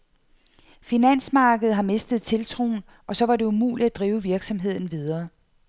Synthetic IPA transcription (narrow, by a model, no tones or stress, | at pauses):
finæn̰smɑ̈ːɡ̥əð̩ˠɦɑ̈me̝sd̥əð̩ˠt͡sʰe̝lt͡sʰʁo̝̰ːn | ʔɒ̽sɒ̽ʋɑ̈ɾe̝umṵːlid̥æd̥ʁiːʊəʋiɐɡ̥sɒ̽mɦe̝ð̞̰ˠn̩ʋið̞ˠɐː